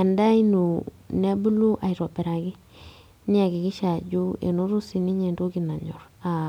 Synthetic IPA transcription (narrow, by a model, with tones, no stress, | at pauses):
a˨nda˦i˦nu˨ | ne˦bu˦lu˦ʔa˨jɾo˨pe˨ɾa˨ɡi˦ | ni˦a˨ɡi˨ɡi˦ʃa˨ɟu˦ḛ˨no˦ɾu˦si˨ni˦ɲe˨ndo˦ɡi˨na˨ɲo˨ɾa˨